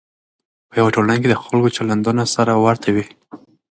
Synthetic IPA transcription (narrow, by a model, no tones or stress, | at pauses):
pəjawaʈolanked̪əxalkot͡ʃaland̪unosaɾawaɾt̪ʰawi